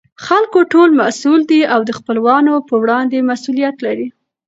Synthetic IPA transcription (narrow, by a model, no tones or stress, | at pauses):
xalkoʈolmasuld̪iawd̪əxpəlwɑnopəwɽɑnd̪emasulijat̪laɾi